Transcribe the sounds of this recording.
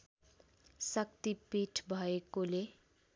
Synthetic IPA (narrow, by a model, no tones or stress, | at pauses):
sʌkt̪ipiʈʰbʱʌekole